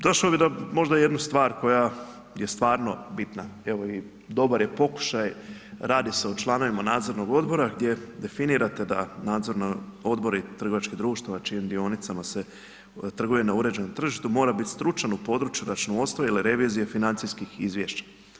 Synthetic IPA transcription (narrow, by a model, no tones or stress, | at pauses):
d̪o̞ʃlobid̪amo̞ʒd̪aje̞d̪nust̪ʋaːɾko̞ja | je̞st̪ʋaːɾno̞bit̪nae̞ʋo̞i | d̪o̞baɾje̞po̞ku̥ʃajɾaːd̪ise̞ut͡ʃlˠano̞ʋimanaːd̪zo̞ɾnoɡo̞d̪bo̞ɾaɡd̪je̞d̪e̞finiɾat̪e̞d̪a̰naːd̪zo̞ɾnoo̞d̪bo̞ɾit̪r̩ɡoʋat͡ʃkid̪ɾuːʃt̪aʋat͡ʃijemd̪io̞nit̪samase̞ | t̪r̩ɡujenauɾe̞d͡ʑenomt̪r̩ʒiʃt̪umo̞ːɾabit̪st̪ɾut͡ʃanupo̞ːd̪ɾut͡ʃjuɾat͡ʃnoo̞st̪iliɾe̞ʋizijefinant̪sijskixizʋjeːʃt͡ɕḁ